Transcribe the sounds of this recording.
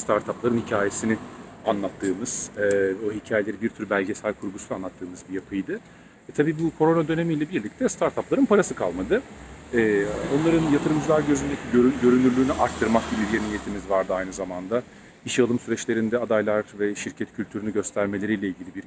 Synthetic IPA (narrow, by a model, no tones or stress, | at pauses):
st̪ʰaɾt̪ʰaplˠaɾɯnhicʰaːje̞sinɪanlˠat̪ʰːɯːmɯz̥ɛvoɦicʰaːje̞lʲeibiɾt̪ʰyɾbælʲɟe̞sælʲkʰuɾɡusunanˠat̪ʰːɯːmɯzbijapʰɯjd̪ɯ | ɛt̪ʰabiːbukʰo̞ɾo̞nad̪ø̞ne̞mijlʲɛbiɾlʲic̚t̪ʰɛst̪ʰaɾt̪ʰaplˠaɾɯnpʰaɾasɯkʰalˠmad̪ɯɛːo̞nlˠaɾɯnjat̪ʰɯɾɯmd͡ʒɯlˠaɾɟø̞zynd̪e̞cʰiɟøɟø̞ɾynyɾlʲyːnyʔaɾt̪ʰːɯɾmak̚ɟibiiɾjʲenijet̪ʰimizvaɾd̪ɯajnɯzamand̪a | iʃjalˠɯmsyɾɛt͡ʃlʲe̞ɾind̪ɛad̪ajlˠaɾvɛʃiɾcʰɛt̪cʰylʲt̪ʰyɾynyɟø̞st̪ʰæɾme̞lʲe̞ɾijlʲɛilʲɟilʲibiɾ